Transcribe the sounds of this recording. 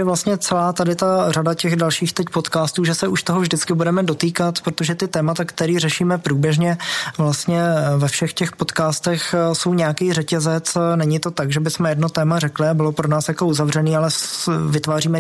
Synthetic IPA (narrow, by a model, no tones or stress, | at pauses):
ɛvlast̪ɲɛt͡sɛlaːt̪adɪt̪aradacɛɣdalʃiːxt̪ɛcpo̞t̪kaːst̪uːʒɛsɛuʃt̪o̞ɦovʒdɪt͡skɪbudɛmɛdo̞t̪iːkat̪pɾot̪oʒɛt̪ɪt̪ɛːmat̪akt̪ɛɾiːrɛʃiːmɛpɾuːbjɛʒɲɛvlast̪ɲɛvɛfʃɛxcɛxpo̞t̪kaːst̪ɛxso̞wɲɛjakiːrɛcɛzɛt͡snɛɲɪt̪ot̪aɡʒɛbɪsmɛjɛdno̞t̪ɛːmarɛklɪabɪlo̞pɾonaːsjako̞uzavr̝ɛniːalɛvɪt̪vaːriːmɛ